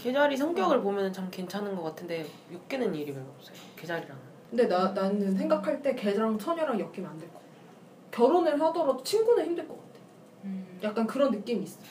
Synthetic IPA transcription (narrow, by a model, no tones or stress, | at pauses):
ke̞d͡ʑaɾis̬ʰʌŋk͈jʌɡɯɭpomjʌnɯnt͡ɕʰamke̞nt͡ɕʰanɯnɡʌk͈atʰɯnde̞ | jok̚k͈enɯniɾimeʌp̚s͈eoke̞d͡ʑaɾiɾanɯnkʰɯnde̞nananɯns̬ʰe̞ŋɡakʰaɭt͈e̞ke̞d͡ʑaŋt͡ɕʰʌɲʌɾaŋjʌk̚k͈imiandweɭk͈o̥ | kjʌɾonɯɭsadʌɾʌdot͡ɕʰinɡunɯɭçimdɯɭk͈ʌk͈ḁtʰe̞ | jak͈̚ankɯɾʌnːɯk͈imiːs͈ʌo